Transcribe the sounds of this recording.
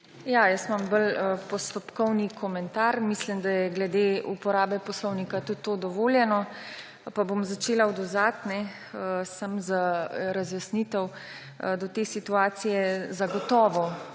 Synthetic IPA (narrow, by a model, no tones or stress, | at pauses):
jajəst̪mambələpɔst̪ɔpkɔwnikʰɔmɛnt̪aɾmislimd̪ajɛɡlɛd̪eːupɔɾaːbɛpɔslɔwnikat̪ut̪ːoːd̪ɔʋoːljɛnɔ | pabomzat͡ʃeːlaɔd̪ɔzat̪nɛ | əsamzaɾazjɐsnit̪ɛw | d̪ɔt̪eːsit̪uaːsijɛzaɡɔt̪ɔːʋɔ